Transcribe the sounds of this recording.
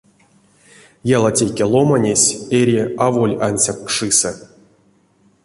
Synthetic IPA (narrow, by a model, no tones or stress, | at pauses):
jalˠatʲejkʲelˠo̞manʲesʲeɾʲiavolʲanʲsʲakːʂɨsə